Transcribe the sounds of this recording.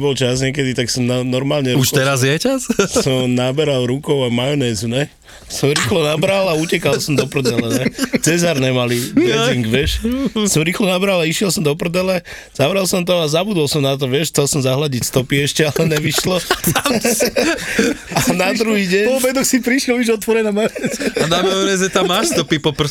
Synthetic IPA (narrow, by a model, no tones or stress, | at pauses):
bɔlt͡ʃazɲɪɛkɛd̪it̪aksɔmnanɔɾmaːlɲɛɾuʃɛɾazjɛt͡ʃassɔmnabɛɾalɾukɔʊamajɔnɛːzuɲɛ | sɔmɾiːxlɔnabɾalaucɛkalsɔmd̪ɔpr̩d̪ɛllɛɲɛt͡sɛzaɾnɛmalidɛziŋɡʋɛʃsɔmɾiːxlɔnabɾalaiʃɪɛlˠsɔmd̪ɔpr̩d̪ɛlɛ | z̥aʋɾɛlsɔmt̪ɔazabud̪ɔlsɔmnat̪̬ɔʋɪɛʃxt͡sɛlsɔmzaɦlaɟicst̪ɔpiɛʃcɛalɛɲɛʋiʃlɔ | anad̪ɾuɦiːɟɛɲɔbɛd̪ɔxsipɾiʃlɔʋiʒɔt̪ʋɔɾɛnamajɔnɛzanamajɔnɛːzɛt̪amːaːʃst̪ɔpipɔpr̩